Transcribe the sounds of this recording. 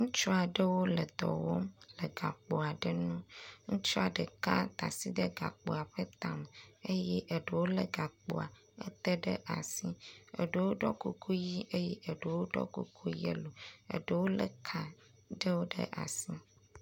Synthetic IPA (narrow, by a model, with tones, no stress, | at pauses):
ŋũ˦t͡ʃɔ˦a˨ɖə˦wo˦lə˨d̪ɔ̰˨wo̰˦mlə˨ɡa˨k͡po˨a˨ɖə˦nũ˦ŋũ˦t͡ʃɔ˦a˨ɖə˨ka˦t̪a̰˨si˦ɖə˦ɡa̰˨k͡po˨a˨ɸə˦t̪a˨m˨e˦jɛ˦ʔə˨ɖə˨wo˦lə˦ɡa˨k͡po̰˨a˨ | ə˦t̪e˦ɖə˦ʔa̰˨si˦ə̰˨ɖə˨wo˦ɖɔ˦ku˨kʰu˦ji˦ʔe˦jɛ˦ʔə˨ɖə˨wo˦ɖɔ̰˦kṵ˨kʰu˦jḛ˦lo˨ə̰˨ɖə˦wo˦lə˦˨kʰa˨ | ɖə˦wo˦ɖə̰˦ʔa̰˨si˦